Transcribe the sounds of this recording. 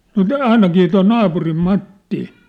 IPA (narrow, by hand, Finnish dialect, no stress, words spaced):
nŏ tæː ɑinɑkiː toi nɑːpurim mɑtːi